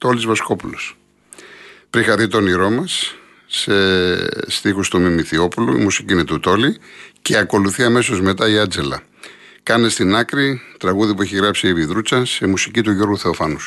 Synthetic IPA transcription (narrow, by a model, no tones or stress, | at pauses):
t̪olizvɐsko̞pulo̞s | pɾixɐðit̪o̞niɾo̞mɐs | est̪ixust̪umimiθio̞pulṵḭmusiciinet̪ut̪o̞lice̞ɐko̞luθiɐme̞so̞zme̞t̪ɐiɐnd͡ze̞lɐ̰ | kɐnest̪inɐkɾit̪ɾɐɣuðip̬ue̞çiɣɾɐpsiiɾiðɾut͡sɐse̞musicit̪uʝo̞ɾɣuθe̞o̞fɐnus